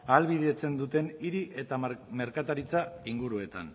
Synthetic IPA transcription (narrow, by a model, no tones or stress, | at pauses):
aːlβiðet͡se̞nd̪ut̪e̞niɾiʔe̞t̪ame̞ɾkat̪aɾit͡saiŋɡuɾue̞t̪a̰n